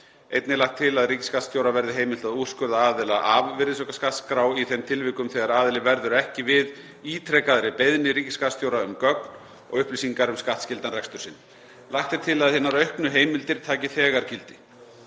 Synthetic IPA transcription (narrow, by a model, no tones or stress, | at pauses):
ejt̪nɪlaht̪ʰːɪlaðriːcɪ̥skat̪st̪jowɾavɛɾðɪɦeːjmɪl̥t̪aðu̥skʏɾðaaːðɪlaʔavvɪɾðɪs̬ɔkaskat̪skɾawiθɛmt̪ʰɪlvɪːkʏmθɛɣaɾaːðɪlɪvɛɾðʏɾɛhcɪvɪð | iːt̪ʰɾɛkaðɾɪpejðnɪɾiːcɪskast̪jowɾaʏmkœkn | ɔ̰ɣʏhplisiŋkaɾʏmskaht̪scɪlt̪anrɛkst̪ʏɾsɪnː | lahxt̪ɛɾ̥t̪ʰɪlaðhɪːnːaɾœɥhknʏɦeːjmɪlt̪ɪɾ̥t̪ʰaːcɪθɛːɣaɾ̥cɪlt̪ɪ̥